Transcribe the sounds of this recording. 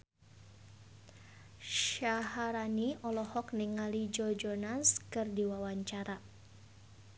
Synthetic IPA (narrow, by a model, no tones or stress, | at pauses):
ʃaɦaɾaniɔlɔhɔkniŋalid͡ʒɔd͡ʒɔnanskɨrdiwawaɲt͡ʃaɾa